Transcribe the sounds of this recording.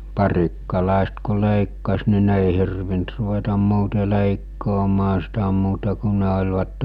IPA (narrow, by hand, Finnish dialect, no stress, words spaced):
pɑrikːɑlɑˑest ku leˑikːɑs ni ne eˑi hirʋint ruʋetɑm muːte leˑikːoːmɑː sitæ muːtɑ ku ne olʲʋɑtːe